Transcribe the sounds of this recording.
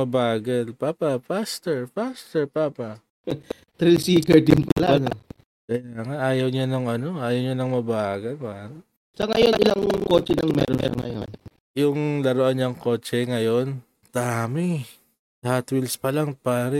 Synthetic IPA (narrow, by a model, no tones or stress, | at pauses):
mɐbaːɡɐlpaːpɐpast̪ɛɹpast̪ɛɹpaːpɐ | t̪ɾisiːkɛɹd̪ɪnpɐlano | kɐjaːŋaʔaːjɐwɲanɐŋɐno̞ʔaːjɐwɲanɐŋmɐbaːɡɐlpaːɾɐ | sɐŋɐjonʔɪlaŋko̞ːt͡ʃɛnɐŋmɛ̰ɾoɛ̰ɾ̰ŋɐ̰jo̰n | jʊŋlɐɾoʔanɲɐŋko̞ːt͡ʃɛŋɐjo̞n | t̪amɪ | t̪hat̪wilspɐlaŋpaːɾɛ